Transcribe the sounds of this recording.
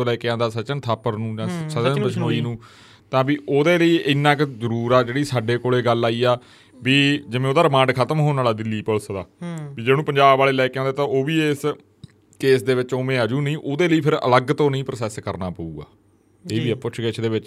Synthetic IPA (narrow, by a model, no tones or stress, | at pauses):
õːlɛːkeãːnd̪aːsət͡ʃənt̪ʰaːpəɾnũːd͡ʒãːsətənət͡ʃʰoːiːnũː | t̪ãːbiːʔoːd̪eːləiːʔɪnːãːkzəɾuːɾaːd͡ʒeːɽiːsaːɖeːkoːleːɡəlːaːiːaː | ʋiːd͡ʒɪmẽːoːd̪aːɾɪmãːɳɖkʰət̪əmɦoːnaːlaːd̪ɪlːiːpəlsd̪aːʋiːd͡ʒeːnũːpəɲd͡ʒaːbːaːleːlɛːkãːnd̪aːt̪ãːʔoːʋiːes | keːsd̪eːʋɪt͡ʃoːmẽːad͡ʒũːnĩːʔoːd̪eːləiːpʰɪɾə̰ləɡt̪õːnəĩːpɾsɛːskəɾnaːpəuːɡa̰ː | eːbiːpʊt͡ʃʰɡɪt͡ʃʰd̪eːʋɪt͡ʃ